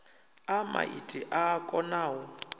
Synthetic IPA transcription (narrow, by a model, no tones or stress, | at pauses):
ama̰ʔitʼiʔaːkʼɔnaːwɔ